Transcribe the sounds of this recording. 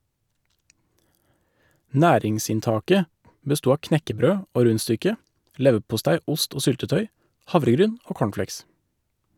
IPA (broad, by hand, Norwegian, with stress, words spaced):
ˈnæːɾɪŋsɪnˌtɑːkə bəˈstuː ˈɑː ˈknɛkəˌbɾøː ˈoː ˈɾʉnˌstʏkə ˈlɛʋəpʊˌstæɪ ˈʊst ˈoː ˈsʏltəˌtœʏ ˈhɑʋɾəˌɡɾyːn ˈoː ˈkoːɳˌfleɪks